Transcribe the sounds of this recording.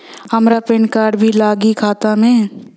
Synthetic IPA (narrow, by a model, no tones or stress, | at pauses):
ɦɐmɾapɪɳkaːɾɖbʱilaːɡikʰaːt̪amẽ